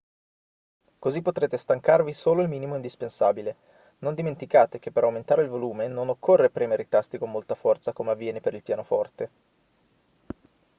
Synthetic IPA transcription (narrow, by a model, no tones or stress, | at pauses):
kozipːot̪ɾeːt̪est̪aŋkarvisoːloilmiːnimoind̪ispensaːbile | nond̪iment̪ikaːt̪ek̟epːeɾawment̪aːɾeilvoluːmenonokʰːorːepɾɛːmeɾeit̪ast̪ikomːolt̪afɔrt̪sakomeavːjɛːnepeɾilpjaːnofɔrt̪e